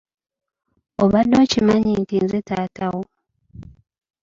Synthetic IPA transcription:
oβadːo̞ːcimaɲintinzetaːtawo

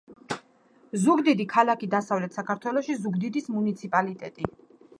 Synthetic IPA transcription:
zuɡd̪id̪ikʰalakid̪asavlɛt̪ʰsakʰaɾt̪ʰwɛlɔʃizuɡd̪id̪ismunit̪sʰipʼalit̪ʼɛt̪ʼi

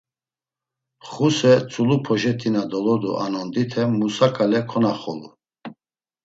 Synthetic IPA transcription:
χusɛt͡sʼulupʰɔʒɛt̪ʰinad̪ɔlɔd̪ṵʔa̰nɔnd̪it̪ʰɛmusakʼalɛkʰɔnaχɔlu

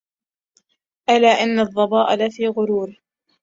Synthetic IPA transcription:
ʔalaːʔɪnːɑðˤːɑbɑːʔalafiːɣʊɾuːɾɪh

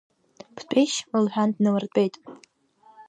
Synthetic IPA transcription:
pʰtʼʰejʃmɨlħᶣandnɨwɨrtʷʼejtʼ

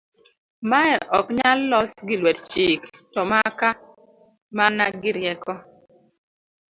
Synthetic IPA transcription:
maɛʔɔkɲalːɔsɡɪlwɛtt͡ʃɪktɔmaka | manaɡɪɾjɛkɔ

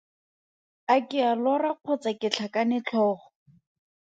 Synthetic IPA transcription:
akɪalɔraq͡χʰʊt͡sakɪt͡ɬʰakanɪt͡ɬʰɔːχɔ̥

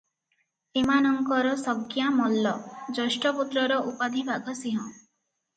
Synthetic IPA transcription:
emanɔŋkɔɾɔsɔɡjamɔlːɔd͡ʒɔsʈɔput̪ɾɔɾɔʔupad̪ʱibʱaɡʱɔsiɦɔ̃

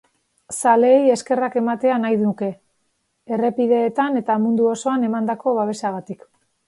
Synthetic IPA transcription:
sale̞ːje̞ske̞rake̞mat̪e̞anajðunuke̞ | ere̞piðe̞ːt̪ane̞t̪amund̪uo̞so̞ane̞mand̪ako̞βaβe̞saɣat̪ik

